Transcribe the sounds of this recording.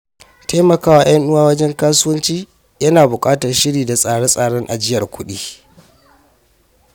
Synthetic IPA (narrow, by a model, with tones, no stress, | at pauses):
taː˦mɐ˨kaː˦waː˨j̰ɐ˦nʔʊ˦waː˦wɐ˦d͡ʒɛ˦ŋkaː˦sʊ˦wɐ˦nt͡ʃiː˦ | jɐ˦naː˨bʊ˨kʼaː˦tɐ˨rʃɪ˦ɽiː˨da˨sʼaː˨ɽɔ˦sʼaː˨ɽɔ˦ŋʔa̰˨d͡ʒɪ˦jɐ˨rkʷʊ˦ɗḭː˦